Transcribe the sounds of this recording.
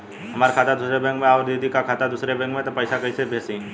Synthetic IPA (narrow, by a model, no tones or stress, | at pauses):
ɦɐmaːɾkʰaːt̪ad̪ʊsɾebɛ̃ːŋkmẽaːɾd̪ed̪ikakʰaːt̪ad̪ʊsɾebɛ̃ːŋkmẽt̪opəɪsakɐisebʱeːsĩ